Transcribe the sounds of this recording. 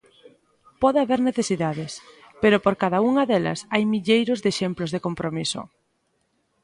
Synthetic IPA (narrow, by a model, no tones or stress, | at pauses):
pɔðeaβeɾneθesiðaðɪs | peɾopoɾkaðauŋɐðelɐ̰sajmiʎejɾʊzðeʃemplozðekompɾomisʊ̰